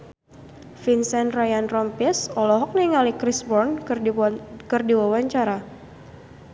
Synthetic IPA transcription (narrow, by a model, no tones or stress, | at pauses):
finsɛnrajanrɔmpisɔlɔɦɔk̚niŋalikɾisbɔrn | kɨrdiwawaɲt͡ʃaɾa